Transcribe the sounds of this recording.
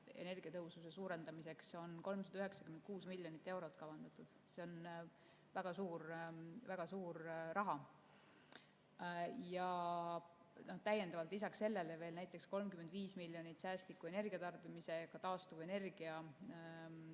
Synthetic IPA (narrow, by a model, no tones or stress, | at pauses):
e̞̰ne̞rɡ̥iɑt̪ɤɦususesuːɾe̞nd̪̥ɑmise̞kso̞nko̞lmsɑd̪ɑyɦe̞ksɑkyment̪̚kuːsmilʲːjonit̪ːˑe̞wɾo̞t̪ːˑkɑvɑnd̪̥ɑt̪ˑud̪̥se̞o̞n | væɡ̥ɑsuːɾvæɡ̥ɑsuːɾrɑɦɑ | jɑ | no̞ht̪æjːe̞nd̪̥ɑvɑlt̪ˑlisɑkse̞lːe̞leve̞ːlnæjt̪ːˑe̞ksko̞lmkymːend̪viːsmilʲːjonit̪sæːst̪likːˑue̞ne̞rɡiɑt̪ɑrb̥imise̞jɑkɑt̪ɑːst̪uve̞ne̞rɡ̥iɑ